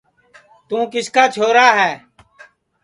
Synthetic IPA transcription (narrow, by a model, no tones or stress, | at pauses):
t̪ũːkɪskaːt͡ʃʰoːɾaːɦɛː